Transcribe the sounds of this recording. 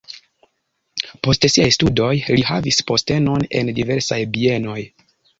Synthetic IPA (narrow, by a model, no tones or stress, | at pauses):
po̞stsiajstudo̞jlihavispo̞ste̞no̞ne̞̰ndive̞ɾsajbie̞no̞j